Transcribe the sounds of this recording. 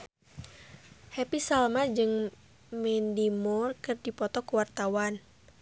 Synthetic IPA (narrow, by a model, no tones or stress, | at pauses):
hɛpisalmad͡ʒɨŋ | mɛndimurkɨrdipɔt̪ɔkuwart̪awan